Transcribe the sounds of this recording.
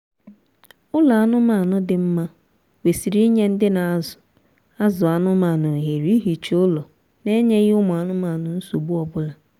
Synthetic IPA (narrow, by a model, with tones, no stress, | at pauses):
ʊ˦la˨a˦˨nʊ˦ma˦˨nʊ˦dɪ˨m̩˦ma˦ | we˨si˨ɾi˦i˦ɲe˦n̩˦dɪ˦na˨a˦zʊ̥˨ | a˦zʊ˨a˨nʊ˦ma˨nʊ˨ɦe˨ɾi˦ɦi˨t͡ʃʊ˦lɔ˨ | ne˦ɲe˦ɣi˦ʊ˦mʊ˨a˨nʊ˦ma˨nʊ˨n̩˦so˨bʊ˦ɔ˨bʊ˦la˨